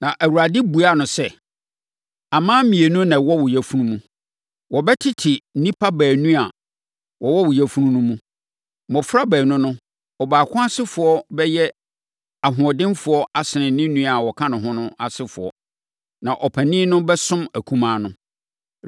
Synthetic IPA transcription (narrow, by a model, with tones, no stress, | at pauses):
nã˨ʔæ˨wu˨ɾa˨dɪ˦bu˨a˦˨nʊ̃˨sɛ˦ | a˨mãː˦mĩ˨e˨nũ˦nã˨wɔ˦wʊ˨jæ˨fu˦nũ˦mũ˦ | wɔ˨bɛ˦tʰɪ˦tʰɪ˨n̩˦nĩ˦pʰa˦bæː˨nũ˦a˨ | wɔ˨wɔ˦wʊ˨jɛ˨fu˦ɾũ˦nũ˦mũ˦ | mɔ˨fʊ˦ɾa˦bæː˨nʊ̃˦nʊ̃˦ | ɔ˨baː˨kʰʊ̃˦a˦sɪ˦fʊ˨ɔ˦bɛ˦jɛ˦ | a˨ɦʊ̃˨ɔ˨dɪ̃˦nfʊ˨ɔ˦ʔa˦sɪ˨nɪ̃˨˦nĩ˦nũ˦a˨wɔ˨kʰã˦nʊ̃˨ɦʊ̃˦nʊ̃˦a˨sɪ˦fʊ̰˨ɔ̰˦ | nã˨ʔɔ˨pʰæ˨nĩː˦nʊ̃˦bɛ˦sʊ̃˦mæ˨kʰũ˦mãː˦nʊ̃˦